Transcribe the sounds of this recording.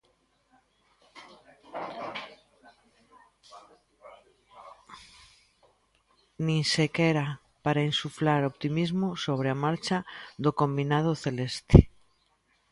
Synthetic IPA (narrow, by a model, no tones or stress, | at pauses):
nĩnsekeɾa | paɾaensuflaɾo̞pt̪imizmoso̞β̞ɾeamaɾt͡ʃaðokõ̞mbinað̞oθe̞le̞st̪e̥